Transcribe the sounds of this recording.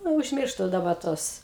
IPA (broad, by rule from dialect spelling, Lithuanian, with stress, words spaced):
ˈnʊ ʊʒʲˈmʲɪrʃtʊ dɐˈbɐ ˈtuɔs